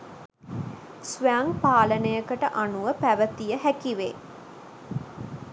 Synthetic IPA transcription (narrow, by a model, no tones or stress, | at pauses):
sʋæŋpaːlənəjəkəʈəʔanuʋəpæʋət̪ijəɦækiʋeː